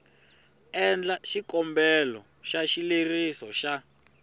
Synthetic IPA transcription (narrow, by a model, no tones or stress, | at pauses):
ɛnd͡ɮaʃikɔmbɛlɔ | ʃaʃilerisɔʃa